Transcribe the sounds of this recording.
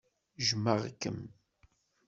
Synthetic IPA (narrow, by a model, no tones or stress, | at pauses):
ʒmːəʁkːə̰m